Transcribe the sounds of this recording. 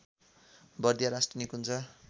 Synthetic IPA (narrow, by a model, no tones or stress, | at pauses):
bʌrd̪ʱjaɾasʈrʌnikunt͡sʰʌ